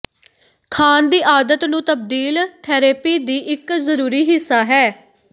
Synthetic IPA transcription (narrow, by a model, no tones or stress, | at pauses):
kʰaːnd̪iːʔaːd̪ət̪nũːt̪əb̚d̪iːlt̪ʰɛːɾeːpiːd̪iːʔɪkzəɾuːɾiːɦɪsːaːɦɛː